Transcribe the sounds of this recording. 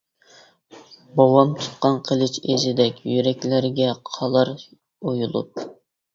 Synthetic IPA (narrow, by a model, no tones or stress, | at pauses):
bowɑmt̪ʰu̥t̪̚qɑnqʰəlˠɨt͡ʃezɪd̪ɛkʲjyɾɛkʲlæɾɡʲɛqʰɑlˠɑɾ | ojulˠṵp̚